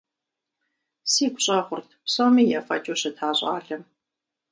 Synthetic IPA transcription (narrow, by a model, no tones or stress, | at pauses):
siːɡʷʊɕʼɐːχʷʊrtʰpsɐwmiːjaːfɐ̰t͡ʃʼoɕɐtʰaːɕʼa̰ːɮɐm